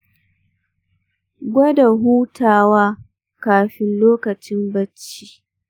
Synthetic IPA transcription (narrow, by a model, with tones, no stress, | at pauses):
ɡʷɐ˦da˨ɦuː˦tʰaː˨waː˦ | kaː˨ɸɪ˦nloː˦kɐ˨t͡ʃɪ˦mbɐ˦t͡ʃːiː˦˨